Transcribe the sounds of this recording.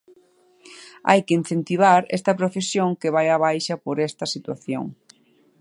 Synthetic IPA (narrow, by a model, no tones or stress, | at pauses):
a̰jkein̟θent̪iβ̞aɾɛ̰st̪ɐpɾofesjoŋkɪβajaβ̞ajʃɐpoɾɛst̪ɐsit̪wa̰θjo̰ŋ